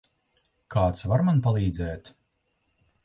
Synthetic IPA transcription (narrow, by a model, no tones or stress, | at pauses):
kʰaːt̪svaɾmanpalˠiːd̪zɛːt̪